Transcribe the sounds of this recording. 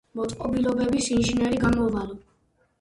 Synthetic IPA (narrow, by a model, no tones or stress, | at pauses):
mɔt̪sʼqʼɔbilɔbɛbisinʒinɛɾiɡamɔvalɔ